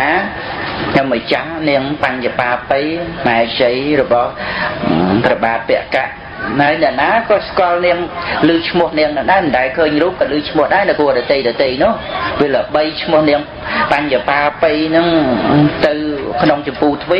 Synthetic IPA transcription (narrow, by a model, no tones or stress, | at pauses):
aː | kʰɲomːət͡ɕahniəŋpaɲjapaːpɨjmaɛt͡ɕəjrɔɓɑh | prɑɓaːt̪̚pɛ̆əʔkaʔ | naəjnɛ̆əʔnaːkɑːskŏəlniəŋlɨːt͡ɕʰmʊ̆əhniəŋnɨŋɗaɛmɨnt̪aɛkʰəːɲruːp̚kɑlɨːt͡ɕʰmʊ̆əhɗaɛnɨwkuəɗɑːt̪ejɗɑt̪ejnʊ̆əhʋeələɓəjt͡ɕʰmʊ̆əhniəŋ | paɲjapaːpɨjnɨŋt̪ɨwkʰnoŋt͡ɕɑmpuːt̪ʰʋi